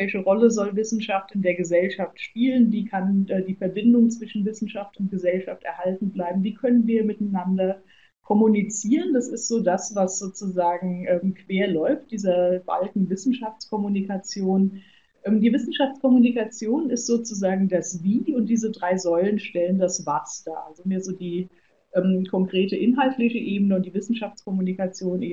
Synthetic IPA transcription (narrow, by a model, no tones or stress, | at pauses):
vɛlçəʁɔləzɔlvɪsn̩ʃaftɪndeːɐɡəzɛlʃaftʃpiːlənviːkʰanʔɛːdiːfɛɐbɪndʊŋt͡sv̥ɪʃn̩vɪsn̩ʃaftʊnt̚ɡ̥əzɛlʃaftɛ̰ɐhaltn̩blaɪbm̩viːkʰœnənviːɐmɪtanandɐ | kʰɔmunit͡siːʁəndasɪstz̥oːdasvasz̥oːt͡suzaːɡŋ̩ʔɛːmkʰv̥eːɐlɔʏft̚d̥iːzɐb̥a̰lkŋ̩vɪsn̩ʃaft͡skʰɔmunikat͡sjoːn | ʔɛːmdiːvɪsn̩ʃaft͡skʰɔmunikat͡sjoːnɪstz̥oːt͡suzaːɡŋ̩dasviːʊnt̚d̥iːzədʁaɪzɔʏlənʃtɛləndasv̥asd̥a̰ːʔalzomiːɐzoːdiː | ʔɛːmkʰɔŋkʁ̥eːtəʔɪnɦaltʰlɪçəʔeːbənəʊnt̚d̥iːvɪsn̩ʃaft͡skɔmunikat͡sjoːnʔe